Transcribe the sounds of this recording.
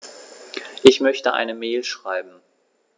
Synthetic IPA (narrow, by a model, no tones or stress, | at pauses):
ʔɪçmœçtəʔa̰ɪnəmeːlʃʁ̥aɪbm̩